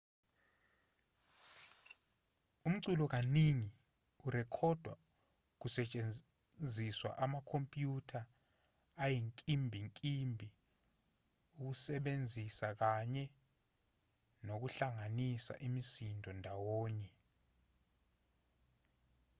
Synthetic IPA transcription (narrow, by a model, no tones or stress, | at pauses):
um̩ǀulɔk̬aniŋi | uɾɛkʰɔd̥ʱwa | k̬usɛt͡ʃʼe | nd͡zʱiswa̰ʔamakʰompʼjutʰaː | jiŋkʼimbʱiŋkʼimbʱi | uk̬usɛɓend͡zʱisak̬aɲɛ | nok̬uɬaŋanisa̰ʔimisindʱɔndʱawɔːɲɛ